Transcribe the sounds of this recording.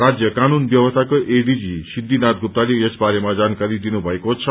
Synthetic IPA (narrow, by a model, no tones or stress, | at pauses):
ɾad͡ʒjəkanunbjʌwəst̪ʰakoʔeɖid͡ʒisid̪ʱːinat̪̚ɡʱup̚t̪aliesbaɾemãd͡ʒankaɾid̪inubʱʌekot͡ʃʰʌ